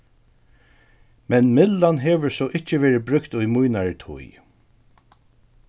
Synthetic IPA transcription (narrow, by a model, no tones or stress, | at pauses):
mɛnmɪlːanɦɛːʋəɹsɔʔɪhcːəʋeːɾɪbɾʏkt̪ʊjmujnaɹt̪ʰʊ̰j